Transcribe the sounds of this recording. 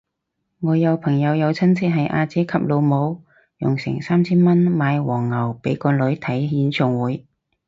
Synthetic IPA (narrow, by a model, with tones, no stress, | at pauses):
ŋɔː˨˧jɐ˨˧wpʰɐ˨˩ŋjɐ˨˧wjɐ˨˧wt͡sʰɐ˥nt͡sʰɪ˥t̚ɦɐ˨jʔaː˧t͡sɛː˨˥kʰɐ˨p̚lo˨˧wmo˨˧w | jʊ̰˨˩ŋsɪ̰˨˩ŋsaː˥mt͡sʰiː˥nmɐ˥nmaː˨˧jwɔː˨˩ŋːɐ˨˩wpe˨˥jkɔː˧lɵ˨˥ɥt̪ʰɐ˨˥jɦiː˨˥nsʰʊ˨˧ŋwuː˨˧˥j